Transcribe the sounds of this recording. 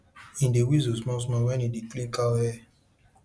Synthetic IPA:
ĩdewizosmɔ̃s̬mɔ̃wɛnĩdiklĩkawɛ

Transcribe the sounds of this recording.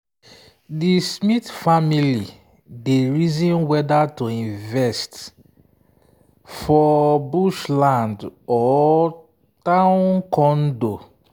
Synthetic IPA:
dismitfamili | deɹizĩnwɛdatoĩnvɛst | fɔbuʃlãndɔ | tãʊ̃nkɔ̃ndo

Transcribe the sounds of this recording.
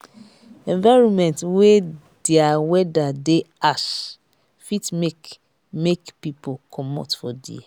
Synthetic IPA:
ɛ̃ɱvaɪɹɔ̃nmɛ̃ntwe | deawɛdade | aʃ | fitmek | mekpipokʰɔmɔ̰tfɔdḭ

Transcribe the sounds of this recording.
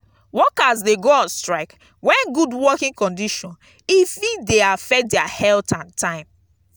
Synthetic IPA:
wɔkazdeɡoɔstɹaɪk | wɛ̃nɡudwɔkĩŋkɔ̃ndiʃɔ̃n | ifideafɛk̚dɛahɛltãntʰãɪ̃m

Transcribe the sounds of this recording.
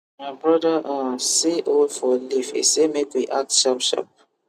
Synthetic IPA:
mabɹɔdəʔãseʔolfɔlifḛsemekwiʔak̚tʃapʃa̰p̚

